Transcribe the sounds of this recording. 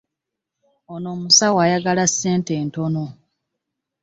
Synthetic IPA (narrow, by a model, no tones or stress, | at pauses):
ono̞ːmusawajaɡalasːe̞ːnte̞ːnto̞no̞